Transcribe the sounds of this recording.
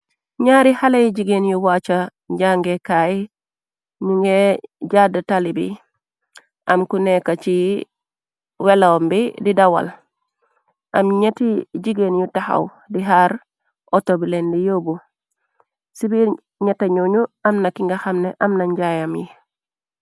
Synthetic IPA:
ɲaɾihalajiɟiɡenjuwat͡ʃa | ɲɟaŋɡekaj | niŋɡeɟadatalibḭ | ʔamkunekat͡ʃi | welawmbididawa̰l | ʔamɲetiɟiɡenjutaxa̰w | diɦaɾ | ʔotobilendijobu | sibiɾ | ɲetaɲoɲuamnakiŋɡaxamneʔamnaɲɟajamjḭ

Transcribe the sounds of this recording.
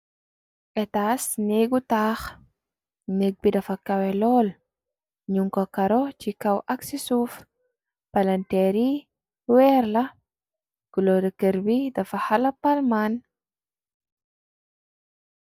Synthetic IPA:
ʔɛtaːsneɡutaːx | neɡ̚bidɐfɐkɐwɛlɔːl | ɲuŋkɔkɐɾɔcikɐwʔɐksisuːf | pɐlɐntɛɾi | wɛɾlɐ | ɡ̥ulɔdɐkəɾbidɐfɐhalɐpalman

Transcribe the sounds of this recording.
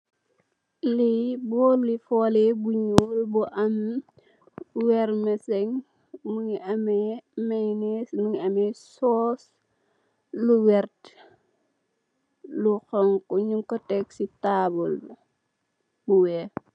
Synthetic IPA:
libɔːlifɔːlɛbuɲulbuʔɐm | wɛɾmɛsɛŋ | muɲiʔɐmɛmɛjnɛsnuɲiɐmɛsɔːs | luwɛrt | luxɔŋkɔɲuŋkɔtɛksitabɔl | buwɛː

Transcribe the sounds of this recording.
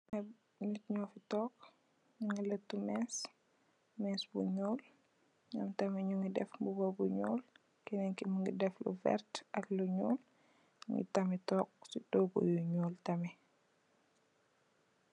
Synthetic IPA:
ɲitɲɔːfitɔːk | ɲuŋɡilətːumɛs | mɛsbuɲɔːl | ɲɐmtɐmɛɲuŋɡidɛfmbubɔbuɲɔ̰ːl | kɛnɛŋkimuŋɡidɛflṵvɛ̰ɾtɐkluɲɔːl | ŋɡḭtɐmɛtɔːk̚sidɔːɡṵjuɲɔːltɐmɛ

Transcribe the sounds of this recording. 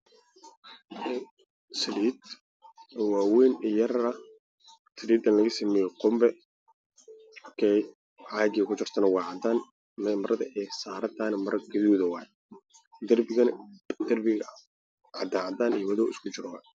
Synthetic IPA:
ɛ | sɪliːd̪ | waːwɛːnɪjɐrɐ | sɪliːd̪ɐnlɐɣɐsɐmɛːjɛqʊmbɛ | kʰɛj | ʕaːɡɪɐkʰʊt͡ʃɪrt̪ʰɐnɐwɑːʕɑd̪aːn | mɛmɐɾʔɐðɐʔɛːsaːɾɐd̪anɐmɐɾɡɐðuːðɐwɑːjɛ | d̪ɐrbɪɐd̪ɐrbɪɣɐ | ʕɑd̪aːʕad̪aːnijwɐðɔːʔɪskʰʊt͡ʃɪɾɔwa̰ː

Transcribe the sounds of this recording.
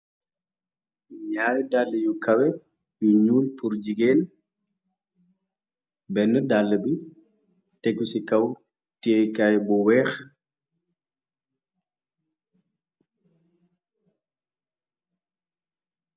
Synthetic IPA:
ɲaːjɛdalːɛjukawɛ | juɲuːlpuɾd͡ʒiɡeːn | bɛnːɛdalːɛbi | teɡusikaw | tiekajbɔwɛːx

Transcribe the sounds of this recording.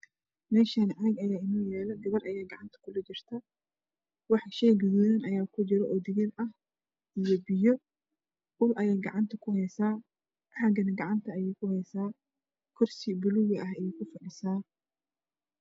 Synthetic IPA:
mɛːʃanʕaɡɐjaːɪnɔːjɛːlɐɡɐβɐrʔɐjaːɡɑʕɑnt̪ʰɐ̥kʰʊlɛd͡ʒɪr̥t̪ʰɐ | wɑħʃɛjɡɐðɔːjɪnɐjaːkʰʊd͡ʒɪɾɔʔɔd̪ɪɣɪnɐh | ʔijɔbɪjɔ | ʊlʔɐjɛːɡɑʕɑnt̪ʰɐkʰʊhɛjsaː | ʕaɡɐnɐɡɑʕɑnt̪ʰɐɐjɛjkʰʊhɛjsaː | kʰɔrsɪbʊlʊɣɐʔɐɦɐjɛkʰʊfɐʕɪsaː

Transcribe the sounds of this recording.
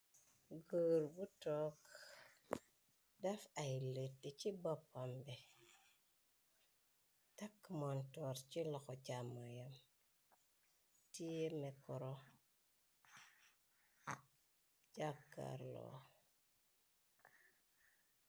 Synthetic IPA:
ɡəːɾbutok | dafajletːet͡ʃibopːambe | takːmontoɾt͡ʃiloxot͡ʃamajam | tijemekɔɾo | d͡ʒakːa̰ɾlo̰

